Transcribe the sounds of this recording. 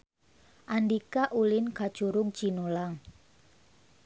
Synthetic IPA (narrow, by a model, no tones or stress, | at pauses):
ʔandikaʔulɪnkḁt͡ʃuɾʊŋ̥t͡ʃinolaŋ